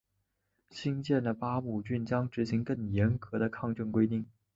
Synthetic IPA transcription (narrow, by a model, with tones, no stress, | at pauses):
ɕi˥nt͡ɕjɛ˥˩nd̪ə˩pa˥mu˨˩t͡ɕy˥˩nt͡ɕjɑ˥ŋʈ͡ʂɻ̩˧˥ɕi˧˥ŋkɤ˥˩ŋjɛ˧˥nkɤ˧˥ɾə˧kʰɑ˥˧ŋʈ͡ʂɤ˥˩nkwe˥ɪt̪i˥˩ŋ